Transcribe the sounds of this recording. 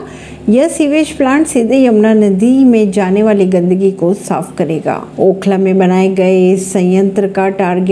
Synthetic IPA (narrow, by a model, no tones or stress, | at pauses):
jɐsiːʋeːʃplãːɳʈsɪd̪ʱjɐʊnanɐd̪imẽd͡ʑaːneʋaːliɡɐ̃nd̪əɡikosa̰ːfkɐɾeːɡa̰ːoːkʰlamẽɓɐñaːeɡɐesɐ̃jə̃nt̪ɾəkaʈaːɾɡ